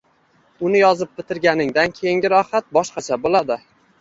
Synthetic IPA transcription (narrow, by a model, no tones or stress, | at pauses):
ʊnɪjɒzɪp̚bɪt̪ʰɪɾɡʲanɪŋd̪ankʲʰejɪŋɡʲɪɾɒhat̪̚bɒʃqɑt͡ʃʰabolad̪ɪ